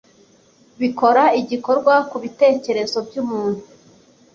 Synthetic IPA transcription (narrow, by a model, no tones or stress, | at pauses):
βiko̞ɾaiɟiko̞ɾɡwakuβite̞ːce̞ɾe̞zo̞bɟuːmuːn̥hu